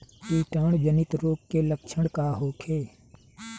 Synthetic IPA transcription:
piːʈaːɳd͡ʒənɪt̪ɾoːkːeləkt͡ʃʰəɽkaːɦoːkʰeː

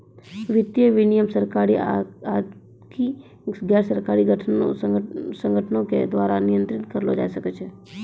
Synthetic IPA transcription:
ʋɪt̪jəʋɪnijəmsəɾkaɾia | ki | ɡɛɾsəɾkaɾiɡəʈʰənosə̃ŋɡʱəʈʰənõkḛd̪ʋaːɾanijə̃nt̪ɾɪt̪kəɾlod͡ʒa̰jsəket͡ʃʰe

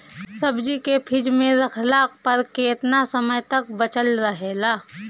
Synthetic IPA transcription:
sɐbd͡ʒikepʰɪd͡ʒmẽɾɐkʰlaːkpɐɾkeːt̪nasəməjt̪ɐk̚bət͡ʃəlɾəɦelaː

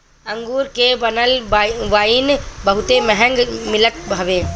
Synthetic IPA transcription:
ə̃ŋɡuɾkebənəlʋaːinbəɦʊt̪emɛɦə̃ŋɡmɪlət̪̚bʱəʋeː

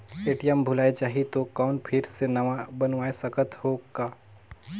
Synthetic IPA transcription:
eːʈijəmbʱʊlaːet͡ʃaːɦiet̪okɔːnpʰɪɾsenɐʋabɐnʋaːesɐkət̪hoːɡaː

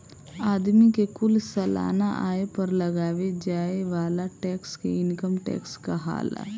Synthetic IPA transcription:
aːd̪mikekʊlsɐla̰ːnaʔaːepɐɾlɐɡaːʋed͡ʒaːeʋaːlaʈɛːkskḛɪnkəmʈɛ̰ːkskaɦa̰ːl̰

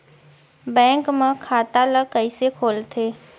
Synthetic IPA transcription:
bɛ̃ːŋkmẽkʰaːt̪aləkəisekʰoːlt̪ʰeː

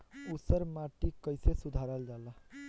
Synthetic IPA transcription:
usəɾmaʈikəjsesud̪ʱaɾəld͡ʒala

